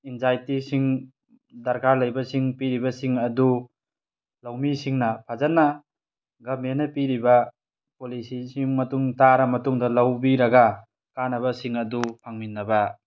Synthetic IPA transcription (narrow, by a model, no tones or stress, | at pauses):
inzajtisiŋ | dɐɾkaɾlɐjbɐsiŋpiɾibɐsiŋɐdu | lɐwmisiŋnɐpʰazana | ɡɐmenːɐpiɾibɐ | polisisiŋmɐtuŋtaɾɐmɐtuŋdɐlɐwbiɾɐɡa | kanɐβɐsiŋɐdupʰaŋminːɐba